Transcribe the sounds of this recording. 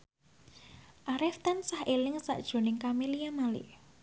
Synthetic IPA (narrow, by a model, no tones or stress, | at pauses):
ʔaɾɛft̪ansahʔelɪŋsa̰ʔd̥ʒ̥o̤nɪŋkameliamalɪ̰